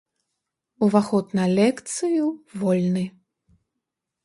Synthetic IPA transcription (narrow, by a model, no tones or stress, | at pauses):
uvaxɔt̪nɐlʲɛkt̪sɨjuvɔlʲnɨ